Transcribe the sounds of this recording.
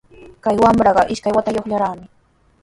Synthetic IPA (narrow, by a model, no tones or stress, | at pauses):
kajwamɾɑɢɑʔɪʃkajwat̪ajoχʎaɾaːmɪ